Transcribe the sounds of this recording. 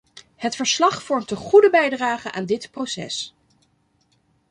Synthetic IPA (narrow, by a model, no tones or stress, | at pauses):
hətfəɹslɑχfɔɹmtəχudəbɛjdraːχənʔaːndɪtprosɛ̰s